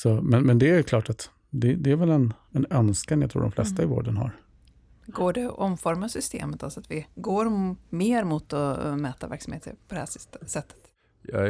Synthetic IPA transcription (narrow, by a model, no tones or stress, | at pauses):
sɔmɛnmɛnd̪ɛæɾjɵkʰlɑːʈat̪ | d̪ɛd̪ɛæɾvɛlɛn | ɛnœnskanjat̪ɾṵːdɔmflɛ̰st̪aɪvo̰ːɖənɦa̰ɾ | ɡoːɖɛʔɔmfɔɾmasʏst̪ḛːmət̪asat̪vɪɡoːɾmeːɾmʊt̪ɔmɛːt̪avæ̰ɾksamheːt̪ə̰ɾpʰɔd̪ɛhæsɛt̪ːə̥t̪ | jɑ̰